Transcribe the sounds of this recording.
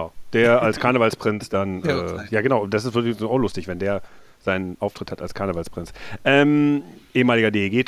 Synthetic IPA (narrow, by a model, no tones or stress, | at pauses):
ʊd̥eːɐalskʰaɐnəvalspʁ̥ɪnsd̥anʔɛ̰ːjaːɡənaʊdasɪstv̥ɪçaʊxlʊstɪçv̥ɛndeːɐ | z̥aɪnənʔaʊftʁ̥ɪthata̰lskʰaɐnəvalspʁ̥ɪnt͡sʔɛːmʔeːəmaːlɪɡɐdeeːɡeː